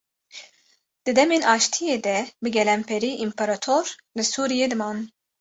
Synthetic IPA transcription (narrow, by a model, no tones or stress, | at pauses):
d̪̥ɨd̪ɛminaʃt̪ʰijɛd̪ɛbiɡʲɛlɛmpʰɛɾiʔimpʰaɾat̪ʰoɾ | lɛsuːɾijɛd̪ɨman